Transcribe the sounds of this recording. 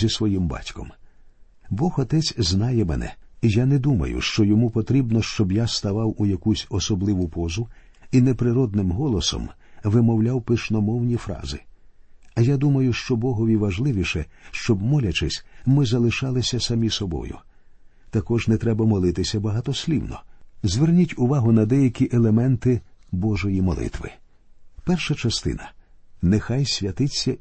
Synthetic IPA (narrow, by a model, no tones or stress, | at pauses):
isʋɔjimbɑ̰tʲkɔ̰m | bɔxɔt̪ɛt͡sʲznɑjɛmɛ̰nɛ̰ijanɛd̪umɐ̰jʊ̰ʃt͡ʃɔjɔmupɔt̪ɾʲibnɔʃt͡ʃɔbjast̪ɐʋɑwujɐkusʲɔsɔblˠɪʋʊpɔzʊ | inɛpɾɪɾɔd̪̚nɪmɦɔlˠɔsɔ̰m | ʋɪmɔwlʲawpɪʃnɔmɔwnʲifɾɑ̰zɪ | ɐjad̪umɐjʊʃt͡ʃɔbɔɦɔʋʲiʋɐʒlˠɪʋʲiʃɛʃt͡ʃɔbmɔlʲɐt͡ʃɪsʲmɪzɐlˠɪʃɑlˠɪsʲɐsɐmʲisɔbɔ̰jʊ̰ | t̪ɐkɔʒnɛt̪ɾɛbɐmɔlˠɪt̪ɪsʲɐbɐɦɑt̪ɔsʲlʲiwnɔ̰zʲʋernʲitʲʊʋaɦʊnɐd̪ɛjɐkʲiʔɛlˠemɛnt̪ɪbɔʒɔjimɔ̰lˠɪ̰t̪ʋɪ̰ | pɛrʃɐt͡ʃɐst̪ɪ̰nɐnɛxajsʲʋʲjɐt̪ɪt͡sʲːɐ